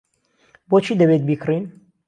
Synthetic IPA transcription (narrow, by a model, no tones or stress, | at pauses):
bot͡ʃʰiːd̪ɐbet̪̚biːkʰrin